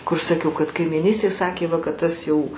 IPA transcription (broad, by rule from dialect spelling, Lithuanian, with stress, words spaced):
kʊr sɐˈkʲɛʊ kɐt kɐɪmʲiːˈnʲiːsʲtʲeːj ˈsɑːkʲeː ˈʋɐ kɐt ˈtɐs jɛʊ